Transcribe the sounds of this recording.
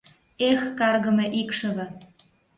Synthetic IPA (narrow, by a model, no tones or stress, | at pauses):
exkɑrɣɤ̆mĕʔikʃɤ̆βɤ̆